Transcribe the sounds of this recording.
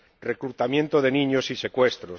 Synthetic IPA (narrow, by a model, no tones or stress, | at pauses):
rekɾut̪amje̞nt̪oðenĩɲosise̞kwe̞st̪ɾo